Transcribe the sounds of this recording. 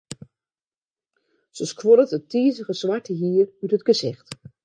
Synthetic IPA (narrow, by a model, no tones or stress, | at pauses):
səskʰwoɾətətʰiːzəɣəsʋatʰəɦiːərytətɡ̥əzɪxt